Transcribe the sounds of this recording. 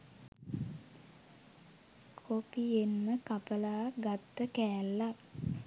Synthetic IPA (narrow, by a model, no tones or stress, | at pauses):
kʰopienməkapəlaːɡat̪ːəkæːlːa